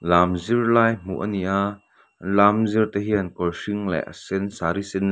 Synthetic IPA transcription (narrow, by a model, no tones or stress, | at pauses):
laːmzirlaːjm̥ṵʔə̰niʔa | nlaːmzirt̪ɛɦiɐnkɔlsiŋlɛ̰ʔə̰sɛnsaɾisɛn